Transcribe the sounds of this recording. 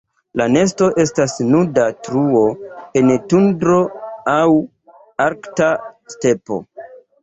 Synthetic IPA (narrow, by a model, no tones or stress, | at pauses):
lane̞s̬to̞ʔe̞stasnudatɾuo̞e̞ntundɾo̞aw | aɾktaste̞po̞̰